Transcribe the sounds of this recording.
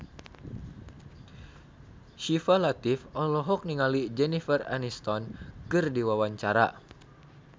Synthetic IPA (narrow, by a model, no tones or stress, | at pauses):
ʃifalat̪ɪfɔlɔɦɔk̚niŋalid͡ʒɛnifəra̰nist̪ɔnkɨrdiwawaɲt͡ʃaɾa̰